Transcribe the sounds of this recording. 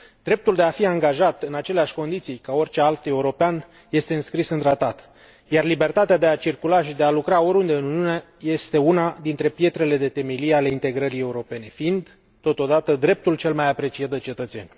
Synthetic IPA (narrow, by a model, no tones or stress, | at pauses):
d̪ɾe̞p̚t̪uld̪e̞afiaŋɡaʒat̪ɨnat͡ʃe̞leaʃʲko̞nd̪it̪sijkaorʲt͡ʃe̞alt̪e̞uɾo̞pean | je̞st̪e̞ɨnskɾisɨnt̪ɾat̪at̪ | jarlibe̞rt̪at̪ead̪e̞at͡ʃirkulaʃid̪e̞alukɾao̞ɾʲund̪e̞ɨnuniunee | je̞st̪e̞unad̪int̪ɾe̞pje̞t̪ɾe̞le̞d̪et̪e̞meliale̞int̪e̞ɡɾəɾije̞uɾo̞pe̞ne̞fiind̪ | t̪o̞t̪o̞d̪at̪əd̪ɾe̞p̚t̪ult͡ʃe̞lmajapɾe̞t͡ʃijat̪̚d̪e̞t͡ʃe̞t̪ət̪se̞̰nʲ